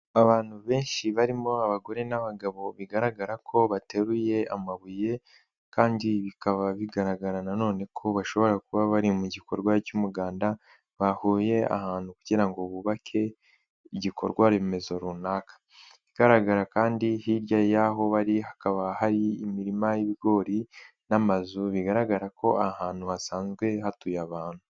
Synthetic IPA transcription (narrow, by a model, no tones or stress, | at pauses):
aβaːn̥huβe̞ːnʃiβaɾimo̞aβaɡo̞ɾe̞naβaɡaβo̞βiɡaɾaɡaɾakʰo̞βate̞ɾuje̞amaβuje̞ | kaːndiβikaβaβiɡaɾaɡaɾanano̞ːne̞kʰo̞βaʃo̞βo̞ɾakuβaβaɾimuɟiko̞ɾɡwacumuɡaːnda | βahoːje̞a̰haːn̥hukuɟiɾaŋɡo̞βuβakʰe̞ | iɟikʰo̞̰ɾɡwaɾeme̞zoɾunakḁ | iɡ̥aɾaɡaɾakaːndihiɾjajaɦo̞βaɾihakaβahaɾiːmiɾimajiβiɡo̞ːɾi | namazuβiɡaɾaɡaɾakʰo̞ʔahaːn̥huhasaːnzɡwe̞hatujaβaːn̥hu